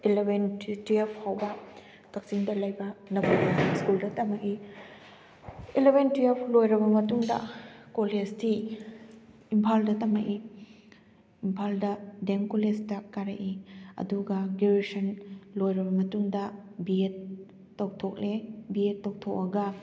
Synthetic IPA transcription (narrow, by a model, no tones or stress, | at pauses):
elebʱentɾiɐpʰhawbɐ | kɐk̚siŋdɐlɐjbɐnɐbubɐskuldɐtɐmɐki | elebentijɐpʰlojɾɐbɐmɐtuŋdɐ̰kolesti | impʰaldɐtɐmɐki | impʰaldɐdemkolestakːaɾɐʔiɐ̰duɡɐɡeɾesɐnlojɾɐbɐmɐtuŋdɐbiet̚ː | ɐwtʰok̚lebietːɐwtʰok̚ːɐɡɐ